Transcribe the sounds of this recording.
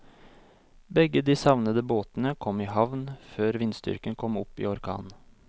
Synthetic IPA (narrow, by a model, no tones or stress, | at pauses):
bɛɡəd̪iːsɑʋnəd̪əboːt̪nəkʰɔmiːɦɑʋnføːɾʋɪnst̪ʏ̰ɾkənkʰɔmʊpːḭːɔɾkʰɑ̰ːn